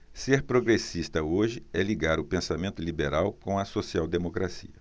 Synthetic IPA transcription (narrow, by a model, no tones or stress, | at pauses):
seɾpɾoɡɾesist̪ɐoʒɪɛliɡaɾʊpẽsamẽnt̪ʊlibeɾawkõɐsosiawd̪emokɾasḭɐ